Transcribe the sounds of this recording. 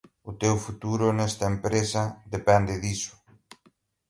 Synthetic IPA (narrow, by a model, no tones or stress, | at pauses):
ʊt̪ewfut̪uɾʊnɛst̪ɐempɾesɐðepɛnd̪ɪðisʊ̥